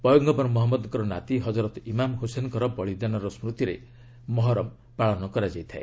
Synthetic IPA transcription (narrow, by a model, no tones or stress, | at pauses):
pɔjɔɡɡɔpɔɾmɔɦɔmːɔd̪ŋkɔɾɔnat̪iɦɔd͡ʒɔɾɔt̪imamɦusenkɔɾɔbɔɭid̪anɔɾɔsmɾut̪iɾḛ | mɔɦɔɾɔm | paɭɔnɔkɔɾad͡ʒajt̪ʰaḛ